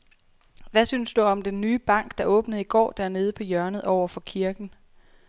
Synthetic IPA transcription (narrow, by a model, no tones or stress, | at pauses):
ʋæsyːnsd̥uɒ̽md̥enːyːb̥ɑ̈ŋ̰ɡ̥d̥ɑ̈ʔɔ̽ːb̥nəð̩ˠiɡ̥ɒ̰ːd̥æɐne̝ːð̞̩ˠəpʰɒ̽jɶɐnəð̞̩ˠɒʊ̰ɐfɒ̽kʰiɐɡ̥n̩